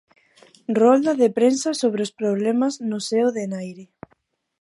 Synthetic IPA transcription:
rɔld̪ɐðepɾensasoβ̞ɾeospɾoβlɛmaznʊseoðenajɾɪ

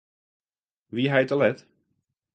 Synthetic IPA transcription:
ʋiɦɛjtəlɛt

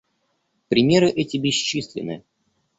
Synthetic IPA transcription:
pɾʲɪmʲe̞ɾɨʔɛtʲɪbʲɪɕisʲlʲɪ̰nɨ̰

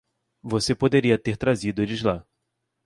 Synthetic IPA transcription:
vosepod̪eɾiɐt̪eɾt̪ɾazid̪ʊd͡ʒɪzla

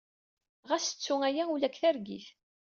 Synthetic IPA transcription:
ʁæsət͡sːuæjæulækːθæɾɡiθ

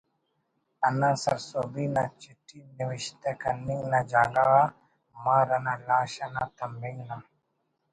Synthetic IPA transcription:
ɐnãsɐɾsoːbinat͡ʃiʈʰːiniʋɪʃt̪ɛkɐnːiŋnad͡ʒaːɡawa | maːɾɐnalaːʃanat̪ɐmbiŋna

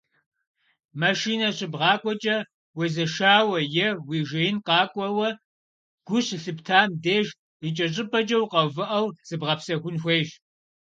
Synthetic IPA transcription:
maʃiːnɐɕɪbʁɑːkʷʼɔt͡ʃʼɐ | wezɐʃaːwɐjɛwiːʒejɪnqɑːkʷʼɔwɐ | ɡ̥ʷʊɕɬɨptʰaːmdeːʒ | it͡ʃʼɐɕʼɪpʰʼɐt͡ʃʼɐwqɐvɨʔɐwz̥ɨbʁɐpsɐɣʷʊnxʷeːʒ

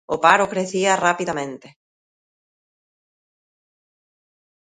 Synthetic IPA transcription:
ʊpaɾʊkɾeθiɐrapiðamẽnt̪e

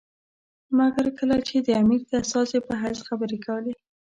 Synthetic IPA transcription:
maɡaɾkəlat͡ʃed̪əamiɾd̪əast̪ɑsepəɦasxabəɾekawəle

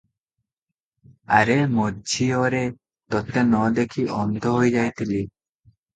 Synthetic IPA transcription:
aɾemodd͡ʒʱioɾe | t̪ɔt̪ːenɔd̪ekʰiʔɔnd̪ʱoɦojd͡ʒajt̪ili

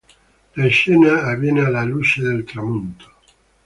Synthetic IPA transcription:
laesenaːβjenealalut͡ʃeðelt̪ɾamũnt̪o̥

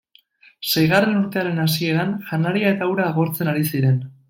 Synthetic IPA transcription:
se̞jɣ̞are̞nuɾt̪e̞aɾe̞nasie̞ɾanʝanaɾiae̞t̪awɾaːɣo̞ɾt͡se̞naɾisiɾe̞n

